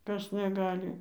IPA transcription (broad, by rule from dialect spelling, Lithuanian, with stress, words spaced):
ˈkɐs nʲɛˈɡɑːlʲɪ